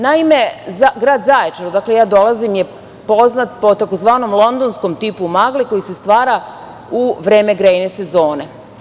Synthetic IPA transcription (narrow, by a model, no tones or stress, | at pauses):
naimezaɡɾaːd̪zajet͡ʃaɾod̪aklejaːd̪o̞lazimje̞ | po̞znat̪̚po̞t̪ako̞zʋaːno̞mlˠo̞nd̪onsko̞mt̪ipumaɡliko̞jise̞st̪ʋaːɾa | uʋɾe̞ːme̞ɡɾejnese̞zo̞ːne